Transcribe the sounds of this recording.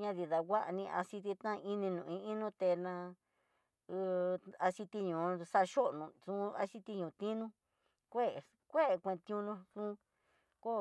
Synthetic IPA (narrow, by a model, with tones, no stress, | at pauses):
ɲã˦˧ði˨ða˨wʷa˦ʔnĩ˧ʔa̰˧si˧t̪̬i˧t̪ã˦˧i˦nĩ˧nũ˨ĩ˧i˦nũ˦t̪e˧nã˧ | a˧si˧t̪i˧ɲũ˨sa˧ʃo˦ʔnũ˨sũ˦a̰˧si˦t̪i˧ɲũ˨t̪ĩ˦nũ˦ | kʷe˦˨ | kʷe˦˨˧kʷẽ˧t̪i˧ũ˧nũ˧nũ˦ | ko˦